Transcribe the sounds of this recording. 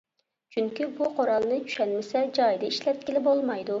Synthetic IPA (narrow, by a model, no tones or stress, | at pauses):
t͡ʃʰyŋkʲibuqʰoɾɑlˠnɨt͡ʃʰy̥ʃɛlmɪsɛd͡ʒɑjd̪ɨiʃlɛt̪̚kʲilɪbolˠmɑjd̪u